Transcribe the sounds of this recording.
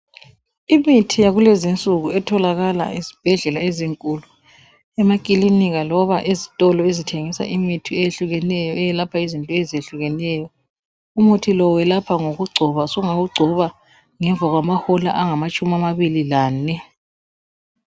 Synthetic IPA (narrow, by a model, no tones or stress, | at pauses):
imitʰijaɣulezint͡sʼuɣuɛtʰɔlaɣala̰izib̥ʱɛɮɛlaeziŋkʼulu | ɛmakʼiliniɣalɔβaʔezitʼɔlɔezitʰeŋisa̰ʔimitʰiɛjeɬuɣɛnɛjɔɛjɛlapʰaizintʼɔɛzeɬuɣɛnɛjɔ | umutʰilɔwɛlapʰaŋoɣuɡ͡ǀʱɔβasɔŋaɣuɡ͡ǀʱɔβa | ŋɛɱb̪vʱaɣwamahɔla̰ʔaŋamat͡ʃʼumiamaβililaːnɛ